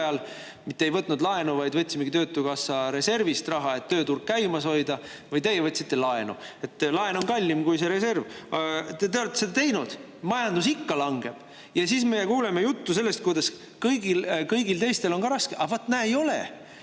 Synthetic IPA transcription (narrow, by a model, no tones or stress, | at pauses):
jɑl | mit̪ːˑejvɤt̪ːˑnud̪lɑe̞nuvɑjd̪̥vɤt̪ʲːsimeɡ̥it̪ø̞ːt̪ːˑukɑsːɑɾe̞se̞rvist̪rɑɦɑe̞t̪ːø̞ːt̪urɡ̥̚kæjmɑso̞jd̪ɑ | vɤjt̪e̞jevɤt̪ʲsit̪ːelɑe̞nṵe̞t̪ːlɑeno̞nkɑlʲːimkujse̞ɾe̞se̞rvt̪et̪eo̞let̪ːˑsed̪ɑt̪e̞jnud̪̥ | mɑjɑnd̪usikːɑlɑŋɡ̥e̞b̥ | jɑsiːsmejekuːlemejut̪ːuse̞lːe̞st̪̚kujd̪ɑs | kɤjɡilkɤjɡilt̪e̞jst̪e̞lo̞nkɑɾɑskeʔɑvɑt̪ːˑnæːejo̞lḛ